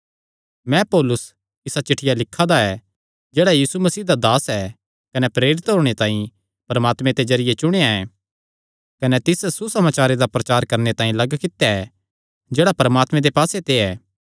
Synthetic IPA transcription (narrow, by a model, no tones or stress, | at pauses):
mɛ̃pɔːlʊs | ɪsat͡ʃɪʈʰːɪjalɪkʰːad̪aɛ | d͡ʒeːɽajiːsumɐsiːɦd̪ad̪aːsɛ | kɐnɛpɾeːɾɪt̪ɦoːɽ̃et̪ãːĩ | pɐɾmaːt̪mẽt̪ed͡ʒɐɾɪjet͡ʃʊɽ̃ejaɛ̃ | kɐnɛt̪ɪsɛsusɐmaːt͡ʃaːɾed̪apɾɐt͡ʃaːɾkɐɾnet̪ãːĩlɐɡkɪt̪jaɛ | d͡ʒeːɽapɐɾmaːt̪mẽd̪epaːset̪eɛː